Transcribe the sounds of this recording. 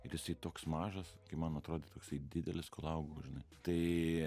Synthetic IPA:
ɪɾjɪsɐɪt̪oːksmɑːʒɐskɐɪmɐnɐt̪ɾoːd̪ʲeːt̪oːksɐɪd̪ʲɪd̪ʲɛlʲɪskolˠɐʊɡoːʒʲɪnɐɪt̪ɐɪ

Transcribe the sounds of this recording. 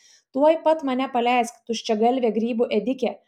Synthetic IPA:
t̪uɔjpɐt̪mɐnʲɛpɐlʲæˑɪskt̪ʊʃʲt͡ʃʲɛɡɐlʲʋʲeːɡɾʲiːbuʔɛd̪ʲɪkʲe

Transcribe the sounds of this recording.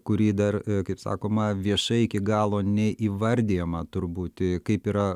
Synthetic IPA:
kʊɾʲiːd̪ɐrkɐɪpsɑ̰ːkoːmɐʋʲiɛʃɐɪɪkʲɪɡɑːlˠoːnʲɛʔiːʋɐɾʲd̪ʲijɛmɐt̪ʊrbuːt̪kɐɪpiːɾɐ

